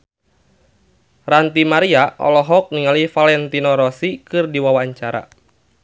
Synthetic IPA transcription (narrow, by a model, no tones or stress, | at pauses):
rant̪imaɾiaʔɔ̰lɔɦɔk̚niŋalifalɛnt̪inɔɾɔsikɨrdiwawaːɲt͡ʃaɾa̰